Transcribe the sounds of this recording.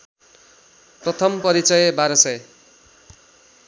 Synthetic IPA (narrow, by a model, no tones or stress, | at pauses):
prʌt̪ʰʌmpʌɾit͡sʌjbaɾʌsʌje